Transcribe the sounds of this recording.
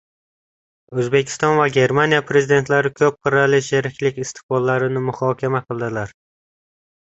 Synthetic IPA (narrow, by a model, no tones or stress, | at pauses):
ɵzbe̞kʲʰɪ̥st̪ɒnvaɡʲe̞ɾmanijapʰɾezid̪e̞nt̪laɾɪkʲʰɵp̚qʰɨɾalɪʃeɾɪkʲlɪkʲɪst̪ʰɪ̥qbɒlˠːaɾɪnɪmʊhɒːkʲʰamaqʰɨlˠd̪ɪlaɾ